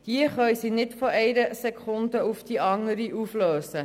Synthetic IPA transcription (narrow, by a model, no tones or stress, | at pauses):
d̥iəχœɥsinɪtfoʔɛɪɾəsekʰʊndəufd̥iʔɑŋəɾiʔufløːsə